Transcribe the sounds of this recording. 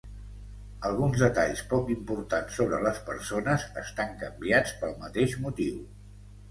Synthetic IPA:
əlˠɣunzðət̪a̰ʎspɔkimpuɾt̪ansoβ̞ɾələspəɾsonəzəst̪aŋkəmbiat͡spəlˠmət̪eʒmut̪iw

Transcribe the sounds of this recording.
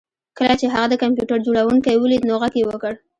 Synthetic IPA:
kəlat͡ʃeɦaɣad̪əkampjuʈaɾd͡ʒoɽawuŋkajwəlid̪noɣaɡjewəkəɽ

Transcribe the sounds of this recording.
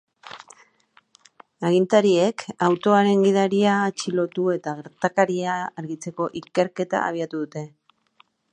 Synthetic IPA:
aɣ̞int̪aɾie̞kʰawt̪o̞aɾe̞ŋɡið̞aɾiaːt͡ʃilo̞t̪ue̞t̪aɣeɾt̪akaɾiaːɾɣit͡se̞ko̞ʔike̞ɾke̞t̪a̰ʔa̰β̞iat̪uðut̪e̞

